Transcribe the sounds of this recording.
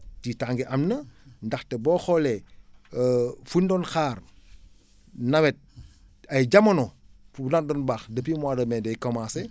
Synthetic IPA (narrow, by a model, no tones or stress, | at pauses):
titaŋɡiʔɐmnəndɐxtɛbɔːxɔlɛ | fundɔnxaːr | nɐwɛt̚ | ɐjd͡ʒɐmɐnɔ | funandɔnbaːxdɐpimwaːdɐmɛdɐjkomase